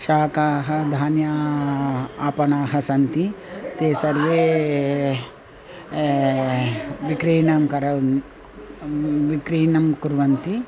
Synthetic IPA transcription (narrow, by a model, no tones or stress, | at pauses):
ʃaːkaːɦɐd̪ʱaːnja | aːpɐnaːɦɐsɐnt̪i | t̪eːsɐɾʋeː | ʋikɾiːnɐmkɐɾɐ | ʋikɾiːnɐmkuɾʋɐnt̪i